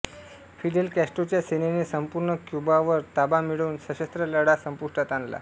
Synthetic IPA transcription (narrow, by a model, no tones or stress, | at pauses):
fiɖelkæsʈot͡ɕjasenenesəmpuɾɳəkjubaʋəɾt̪abamiɽuːnsəɕəst̪ɾələɽasəmpuʂʈat̪anla̰